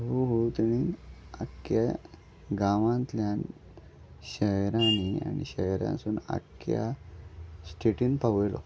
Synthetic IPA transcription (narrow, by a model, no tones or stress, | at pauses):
ɦuɦut̪iɽ̃iːna̰kja | ɡaʋãnt̪ljan | ɕəjɾania̰nḭɕəjɾã̰nsuːna̰kja̰ | sʈʰeʈiːnpaʋəjlɔ̰